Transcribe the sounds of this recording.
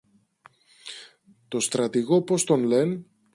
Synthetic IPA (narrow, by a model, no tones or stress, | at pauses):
t̪o̞st̪ɾɐt̪iɣo̞po̞st̪o̞nle̞n